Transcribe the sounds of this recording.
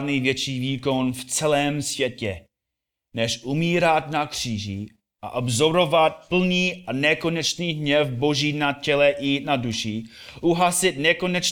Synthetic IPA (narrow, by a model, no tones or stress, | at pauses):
dnivjɛt͡ʃiːviːkonft͡sɛlɛːmsvjɛcɛ | nɛʃʔumiːɾat̪nakr̝̥iːʒḭ | ʔa̰ʔobzoɾovat̪̚pl̩ɲiːanɛkonɛt͡ʃniːɦɲɛfboʒiːnacɛlɛjinaduʃiʔuɦasɪt̪̚nɛko̞nɛt͡ʃ